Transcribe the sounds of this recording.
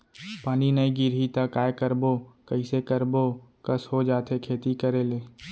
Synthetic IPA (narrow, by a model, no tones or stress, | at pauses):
paːninəiɡɪɾit̪akaːjekəɾbokəisekəɾbokəsɦod͡ʒaːt̪ʰekʰeːt̪ikəɾeleː